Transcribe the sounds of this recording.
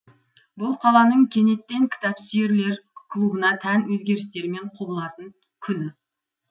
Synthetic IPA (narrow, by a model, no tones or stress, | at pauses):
bʊlˠqʰɑlˠɑnəɴkʲʰe̞ne̞t̪ːe̞ŋkʲʰɪ̥t̪ɑpsʏjeɾle̞ɾkʰlˠubənɑt̪ʰænwɵzɡʲe̞ɾɪst̪e̞ɾɪme̞ɴqʰubəlˠɑt̪əŋ | kʲʰʏnɪ